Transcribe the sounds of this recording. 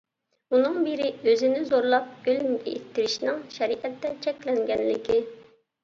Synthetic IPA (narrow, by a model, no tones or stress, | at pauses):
unɨŋbiɾɪøzɪnɪzoɾlˠɑp̚ɡ̥ʲølmɡʲɛ̰et̪ʰːɪɾɪʃnɪŋʃɛɾiʔɛt̪ːɛt͡ʃʰɛkʲlɛŋɡʲɛnlɪkʲɪ